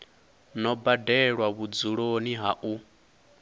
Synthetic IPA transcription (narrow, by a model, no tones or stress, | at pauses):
nɔbadɛɺwaβud͡zuɺoniɦaʔu